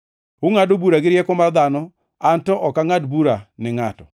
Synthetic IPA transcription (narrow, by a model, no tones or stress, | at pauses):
ʊŋadobuɾaɡɪɾjɛkɔmard̪anɔ | antɔʔɔkaŋadbuɾanɪŋatɔ